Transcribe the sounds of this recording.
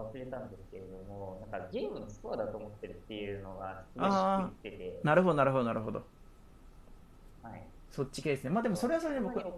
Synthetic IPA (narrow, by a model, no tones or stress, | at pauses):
βasɨɾe̞t̪ãnd̪e̞sɨ̥ke̞ɾe̞d̪o̞mo̞nãŋkaɡʲe̞ːmɯnostoβad̪at̪o̞ːmo̞t̪ːe̞ɾɯ̟t̪ːe̞jɯ̟ːno̞ɡast͡saːiit̪ːe̞t̪e̞naɾɯ̟ɦo̞d̪o̞naɾɯ̟ɦo̞d̪oaɾɯ̟ɦo̞d̪o̰ | hai | so̞t͡ɕːi̥kʲed̪e̞sɨne̞maːd̪emo̞so̞ɾe̞aso̞ɾenemok